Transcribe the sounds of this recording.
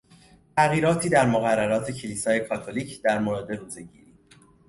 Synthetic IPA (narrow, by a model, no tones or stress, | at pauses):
t̪ʰæɣiːɾɒːt̪ʰiːd̪æɾmoɣærːæɾɒːt̪ʰe̞cʰeliːsɒːje̞kʰɒːt̪ʰoliːcʰd̪̥æɾmoɾɑːd̪e̞ɾuːze̞ɟḭːɾiː